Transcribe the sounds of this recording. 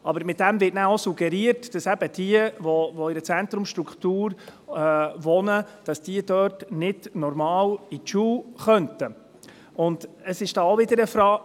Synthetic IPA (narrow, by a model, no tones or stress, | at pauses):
ɑbəɾmɪt̚d̥æmvɪtnæosuɡɛɾiəɾtd̥ɑsæb̥əd̥iəvɔvɔɪɾət͡sænt̪ɾʊmʃtɾukχtuːɾ | ʋɔnəd̥ɑsd̥iəd̥œːtnɪdnɔɾmɑːlitt͡ʃuːχœntə | ʊndəsɪʃd̥ɑːoʋɪdəɾəfɾɑː